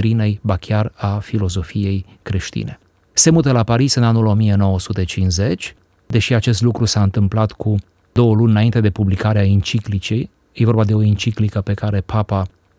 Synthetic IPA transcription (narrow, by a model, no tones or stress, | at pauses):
ɾine̞jbakʲjarafilo̞zo̞fije̞jkɾe̞ʃt̪ḭne̞ | se̞mut̪əlapaɾisɨnanulo̞mije̞no̞wəsut̪e̞t͡ʃinze̞t͡ʃʲ | d̪e̞ʃiat͡ʃe̞st̪lukɾusaɨnt̪ɨmplat̪kʰu | d̪o̞wəlunʲɨnaint̪e̞d̪e̞publikaɾeaint͡ʃiklit͡ʃej | jevo̞rbad̪e̞o̞int͡ʃiklikəpe̞kaɾe̞papa